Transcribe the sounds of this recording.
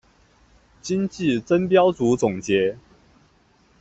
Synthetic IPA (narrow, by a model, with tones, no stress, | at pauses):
t͡ɕi˦ŋt͡ɕi˥˨t͡sə˦npjɑ˥ʊt͡su˨˥t͡sʊ˨˩ŋt͡ɕjɛ˨˥˦